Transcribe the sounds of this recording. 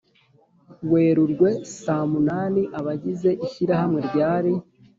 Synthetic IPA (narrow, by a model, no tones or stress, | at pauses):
we̞ːɾuɾɡwe̞saːmunaːniʔaβaɟize̞ʔiçiɾahamŋeɾɟaːɾi